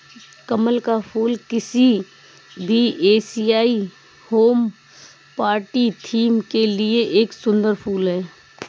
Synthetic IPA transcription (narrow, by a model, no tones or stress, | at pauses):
kəməlkapʰuːlkɪsi | bʱieːsijaːi | hoːm | paːɾʈiʈʰiːmkelieʔeːksʊ̃nd̪əɾpʰuːlɦɛː